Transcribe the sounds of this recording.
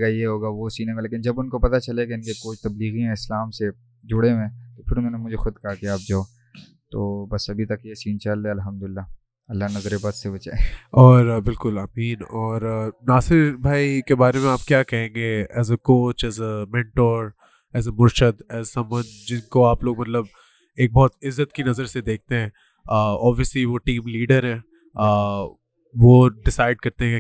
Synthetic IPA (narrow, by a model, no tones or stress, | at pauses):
ɡajeɦoːɡaʋosiːnẽɡaleːkɪnd͡ʒɐbʊnkopɐt̪at͡ʃɐlekeɪnkekoːt͡ʃt̪ɐbliːɣiãɪslaːmse | d͡ʒʊɽeʋẽt̪opʰɪɾʊnɦõːnemʊd͡ʒʱexʊd̪kaɦakeaːp̚d͡ʒaːo | t̪oːbɐsɐbʱit̪ɐkjesiːnt͡ʃɐlːeɐlɦɐmd̪ʊlɪlːa | ɐlːanɐzɾebaːd̪sebɐt͡ʃa̰ːeɔːɾbɪlkʊlaːmiːnɔːɾnaːsɪɾbʱaːikebaːɾemẽaːp̚kjaːkɐɦẽːŋɡeɛːzəkoːt͡ʃɛːzəmɛ̃ːɳʈoːɾ | ɛːzəmʊɾʃəd̪ɛːzsɐ̃mwɐnd͡ʒɪnkoaːploːɡmɐt̪ləb̚ | eːk̚bɔːt̪ɪzːət̪kinɐzəɾsed̪eːk̚ʰt̪eɦɛ̃ | ɔːbʋiəsliʋoʈiːmliːɖəɾɦɛ̃ː | ʋoɖɪsaːɪɖ̚kɐɾt̪eɦɛ̃